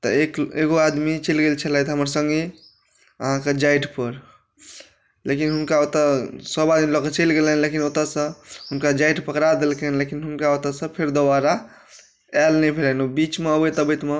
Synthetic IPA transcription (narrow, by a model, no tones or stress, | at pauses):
t̪əekeɡoad̪mit͡ʃəlɡelt͡ʃʰɛlat̪ɦəməɾsə̃ŋɡe | əɦãked͡ʒajʈpəɾ | lekinɦunkaot̪əsəbad̪milɔkət͡ʃəlɡelenlekinot̪əsə̃ɦunkad͡ʒajʈpəkɾad̪elkenlekinɦunkaot̪əsə̃pʰeɾd̪obaɾa | ɛlnɛbʱelɛnobit͡ʃmeəbət̪əbət̪me